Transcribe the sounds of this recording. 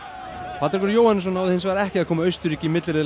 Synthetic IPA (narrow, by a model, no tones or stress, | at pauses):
pʰat̪aɾvɛɾjoːwhanːs̬ɔnːawðɪhɪnsvaːɾɛhcɪaðkʰɔːmaœɥst̪ʏɾicɪmɪt̪lɪɾɪ